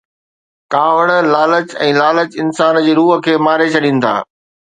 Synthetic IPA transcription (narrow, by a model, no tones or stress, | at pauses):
kaːʋəɽ̃laːlət͡ɕɛ̃ːlaːlət͡ɕɪnsaːnd͡ʑeːɾuːɦə̆kʰeːmaːɾet͡ɕʰɐɗĩːnɪ̆t̪ʰa̰ː